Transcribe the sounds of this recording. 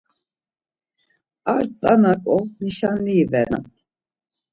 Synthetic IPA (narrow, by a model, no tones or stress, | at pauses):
aɾt͡sʼanakʼɔniʃanliːvɛa̰